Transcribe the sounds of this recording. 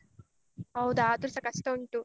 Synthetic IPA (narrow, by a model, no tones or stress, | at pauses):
ɐwud̪aːd̪uɾsɐkɐst̪ɐuɳʈu